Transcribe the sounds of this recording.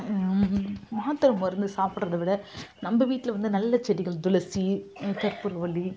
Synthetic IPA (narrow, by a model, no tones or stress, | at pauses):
maːt̪ːɐɾɐmɔɪɾɐnd̪ɯsaːpɪʈrɐðɐʋɪɽɐnɐmːbɐʋiːʈːɪlɐʋɐnd̪ɯnɐlːɐt͡ʃɛɽɪɣɐɭd̪ʊlɐsit̪ɐɾpɯɾʋɐɭːi